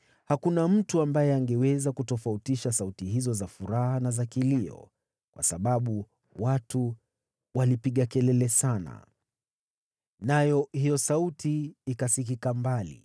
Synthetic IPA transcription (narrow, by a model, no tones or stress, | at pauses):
hakunam̩tuambajɛaŋɡɛwɛzakutɔfautiʃasautiɦizɔzafuɾahanazakiliɔ̰ | kwʔa̰saɓaɓu | watu | walipiɠakɛlɛlɛsana̰ | najɔhijɔsautiːkasikikambalḭ